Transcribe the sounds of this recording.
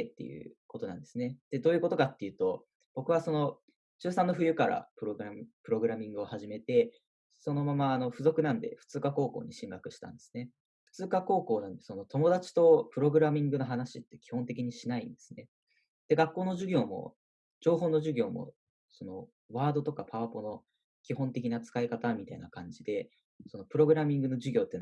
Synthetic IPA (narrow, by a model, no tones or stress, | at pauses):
t̪ːe̞̰jɯ̟̰ko̞t̪o̞nãnd̪e̞sɨne̞d̪̥e̞d̪o̞ːjɯ̟ko̞t̪o̞kat̪ːe̞jɯ̟ːt̪o̞ | b̥o̞kɯ̟β̞aso̞no̞ | t͡ɕɨːsãnːoɸɯ̟jɯ̟kaɾa̰pɯ̟ɾoɡɯɾpɯ̟ɾo̞ɡɯ̟ɾamʲĩŋɡɯ̟o̞haʑime̞t̪e̞ | so̞no̞mamaːno̞ɸɯ̟zo̞kɯ̟nãnd̪e̞̰ɸɯ̟̥t͡sɨːkako̞ːko̞̰ːɲ̟iɕĩŋɡakɯ̟ɕi̥t̪ã̰nd̪e̞̥sɨ̥ne | ɸɯ̥t͡sɨːkako̞ːko̞ːnãnd̪e̞so̞no̞t̪o̞mo̞d̪at͡ɕi̥t̪o̞pɯ̟ɾo̞ɡɯ̟ɾamʲĩŋɡɯ̟no̞ɦanaɕit̪ːe̞kʲi̥hõ̞nt̪e̞k̬ʲiɲ̟iɕinaḭ̃nd̪e̞sɨne̞ | d̪̥e̞ɡakːo̞ːno̞ʑɨɡʲo̞ːmo̞̰ | d͡ʑo̞ːɦo̞ːno̞ʑɨɡʲo̞ːmo̞̰ | so̞no̞̰ | βaːd̪o̞t̪o̞kapʰaβapo̞no̞ | kʲiɦõ̞nt̪e̞kʲinat͡sɨ̥kaikat̪amʲit̪ainakãɲ̟d͡ʑid̪e̞ | so̞no̞pɯ̟ɾo̞ɡɯ̟ɾamʲĩŋɡɯno̞ʑɨɡʲo̞ːt̪ːen